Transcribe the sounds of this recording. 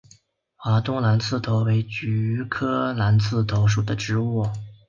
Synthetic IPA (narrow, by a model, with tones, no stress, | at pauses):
xa˧˥t̪ʊ˥ŋla˧˥nt͡sʰɹ̩˥˩t̪ʰo˧˥ʊwe˧˥ɪt͡ɕy˧˥kʰɤ˥la˧˥nt͡sʰɹ̩˥˩t̪ʰo˧˥ʊʂ̬u˨˩d̪ə˦ʈ͡ʂɻ̩˧˥u˥˩